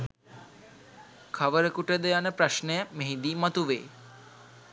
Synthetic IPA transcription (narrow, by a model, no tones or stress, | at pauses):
kʰaʋəɾəkuʈəd̪əjanəpɾaʃnejameɦid̪iːmat̪uʋḛː